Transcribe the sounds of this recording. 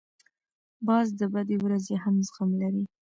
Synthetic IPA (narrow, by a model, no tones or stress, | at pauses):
bɑzd̪əbad̪ewɾazeɦamzxamlaɾi